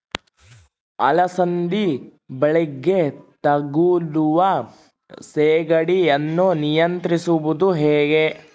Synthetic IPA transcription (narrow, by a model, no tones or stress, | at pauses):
ɐ̰lɐsɐnd̪i | bɐɭiɡːet̪ɐɡuluʋɐ | seːɡɐɽiɐnːunijɐnt̪ɾisuʋud̪uɦeːɡe